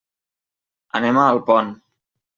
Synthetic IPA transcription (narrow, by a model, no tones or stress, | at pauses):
ə̰nɛməːlˠpɔn